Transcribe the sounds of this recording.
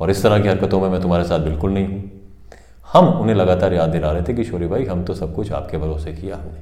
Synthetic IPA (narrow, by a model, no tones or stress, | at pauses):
ɔːɾɪst̪ɐɾakiɦɐɾkət̪õmẽmɛ̃ːt̪ʊmɦaːɾesaːt̪̚bɪlkʊlnɐɦĩɦũː | hɐmʊnɦẽlɐɡaːt̪aːɾjaːd̪ːɪlaːɾɐɦet̪ʰẽkiʃoːɾibʱaːiɦɐmt̪osɐb̚kʊt͡ʃʰa̰ːp̚kebʱɐɾoːsekiaːɦɐneː